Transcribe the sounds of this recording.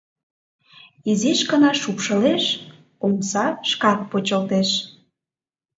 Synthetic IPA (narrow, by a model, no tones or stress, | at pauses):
iziʃkənɑʃupʃə̆leʃ | umsɑʃkɑk̚pot͡ɕəlt̪eʃ